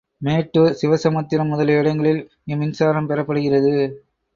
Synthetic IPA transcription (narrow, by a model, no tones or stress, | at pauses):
meːʈːɯsɪʋɐsɐmɐt̪ːɪlɐmːʊðɐlɛɽɐŋɡɐɭɪl | ɪmɪnsaːɾɐmpɛɾɐpːɐɽɯɣɪrɐðɯ